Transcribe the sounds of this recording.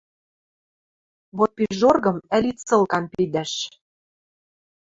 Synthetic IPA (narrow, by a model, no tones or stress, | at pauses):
βot̪̚piʒorɣɤ̆mælit̪t͡sɤ̆lˠkɑnpid̪æʃ